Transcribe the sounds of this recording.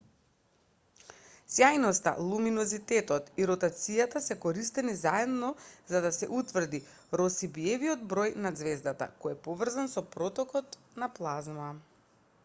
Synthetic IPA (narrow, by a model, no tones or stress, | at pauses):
sjajnɔst̪a̰lˠuminɔzit̪ɛt̪ɔt̪iɾɔt̪at̪sijat̪asɛkɔɾist̪ɛnizaɛd̪nɔzad̪asɛʔut̪vr̩d̪i | ɾɔsibiɛvijɔd̪bɾɔjnad̪zvɛzd̪at̪a̰kɔjɛpɔvr̩zansɔpɾɔt̪ɔkɔt̪ | naplˠazma